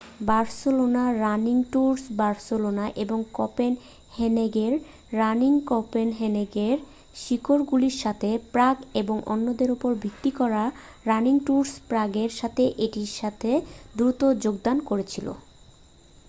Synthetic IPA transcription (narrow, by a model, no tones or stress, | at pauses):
baɾsolonaɾaniŋʈuɾsbaɾsolonaʔeboŋkɔpen | heneɡeɾː | aniŋkɔpenɦeneɡeɾ | ʃikoɾɡuliɾʃat̪ʰepɾaɡeboŋʔo̰nːod̪eɾopoɾbʱikt̪ikɔɾa | ɾaniŋʈuɾspɾaɡeɾʃat̪ʰeʔeʈiɾʃat̪ʰed̪ɾut̪od͡ʑoɡd̪ankoɾet͡ɕʰilo̰